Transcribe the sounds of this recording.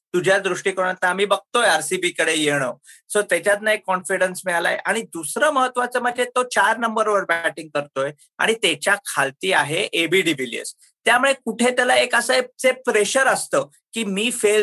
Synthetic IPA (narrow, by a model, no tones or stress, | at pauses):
t̪ud͡ʑʱjad̪ɾuʂʈiːkoɽ̃at̪aamiːbəɡ̚t̪ojaɾsibiːkəɽejeɽ̃ə | səɾt̪jat͡ɕjat̪naekːɔnfiɽənsmiɭala̰jḛʔaɽ̃id̪usɾəːməɦət̪ʋat͡s̪əːməd͡ʑet̪ot͡ɕaɾnəmbəɾʋəɾbæʈiŋɡ̚kəɾt̪oje | a̰ɽ̃it̪et͡ɕjakʰalt̪iːaɦeʔebiːɖibiljə̰s | t̪jamuɭekuʈʰet̪jalaekəsəet͡sepɾeɕəɾəst̪əː | kiːmiːfel